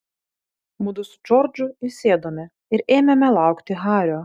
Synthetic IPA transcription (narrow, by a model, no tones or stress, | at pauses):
mʊd̪ʊsʊ̥d͡ʒɔɾd͡ʒʊɪsʲeːd̪oːmʲɛ | ɪɾeːmʲɛmʲɛlˠɑˑʊkt̪ʲɪɦɑːɾʲoː